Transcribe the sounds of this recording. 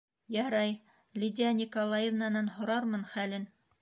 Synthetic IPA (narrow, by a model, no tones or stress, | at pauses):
jɑɾɑj | lʲidʲɪanʲikolˠɑjevnanɑnɦŏɾɑɾmɤnχælɘn